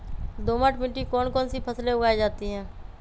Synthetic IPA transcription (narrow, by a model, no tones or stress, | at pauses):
d̪oːmaːʈmɪ̃ɳʈikɔːnkɔːnsipʰəsleʊɡaːed͡ʒaːt̪iɦɛ̃ː